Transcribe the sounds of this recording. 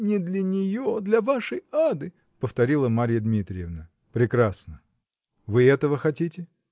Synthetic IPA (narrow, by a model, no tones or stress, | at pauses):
nʲɪd̪lʲənʲɪjod̪lʲɐvaʂəjad̪ɨ | pəft̪ɐɾʲilˠəmaɾʲɪjəd̪mʲit̪ɾʲɪjɪvnə | pɾʲɪkɾasnə | vɨɛt̪əvəxɐtʲitʲɪ